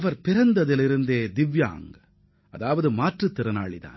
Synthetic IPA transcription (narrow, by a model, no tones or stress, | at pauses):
ɐʋɐɾpɪɾɐnd̪ɐðɪlɪɾɯnd̪eːd̪ɪʋja̰ːŋɡɐ | ɐðaːʋɐðɯmaːʈrɯt̪ːɪɾɐna̰ːɭiða̰ː